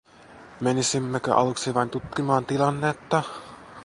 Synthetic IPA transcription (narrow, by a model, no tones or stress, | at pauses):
menisimːækæ̰ʔɑ̰lˠuksiʋɑnt̪ut̪kimɑːnt̪ilˠɑnːet̪ːɑ